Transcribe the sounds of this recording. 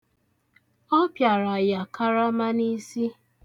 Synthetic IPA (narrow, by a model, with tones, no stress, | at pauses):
ɔ˦pja˨ɾa˨ja˨kʰa˦ɾa˦ma˦ni˦si˦